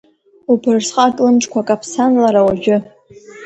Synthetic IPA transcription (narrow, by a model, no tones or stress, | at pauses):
upʰɨrsqʼatʼlʊnʈ͡ʂʼkʷʰakʼapʰsanlaɾawaʒᶣʊ